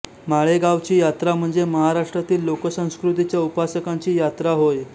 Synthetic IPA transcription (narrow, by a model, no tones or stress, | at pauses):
maɭeɡaʋt͡ɕiːjat̪ɾam̤əɳd͡zeməɦaɾaʂʈɾat̪iːlːokəsə̃w̃skɾut̪it͡ɕjaupasəkãɲt͡ɕiːjat̪ɾaɦoj